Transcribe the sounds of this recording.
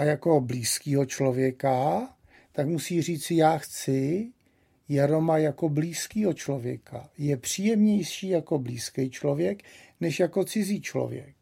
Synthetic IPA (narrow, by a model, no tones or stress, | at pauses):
ʔajako̞bliːskiːɦot͡ʃlo̞vjɛka | t̪akmusiːr̝iːt͡sɪjaːxt͡sɪ | jaɾo̞majako̞bliːskiːɦot͡ʃlo̞vjɛ̰kʰa̰jɛpr̝̥iːjɛmɲɛjʃiːjako̞bliːskɛjt͡ʃlo̞vjɛknɛʃjako̞t͡sɪziːt͡ʃlo̰vjɛ̰k̚